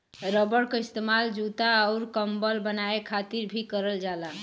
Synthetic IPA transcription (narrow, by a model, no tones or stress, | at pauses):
ɾəbəɽkeist̪emald͡ʒut̪aəʊɾkəmbəlbənaekʰat̪iɾbʱikəɾəld͡ʒala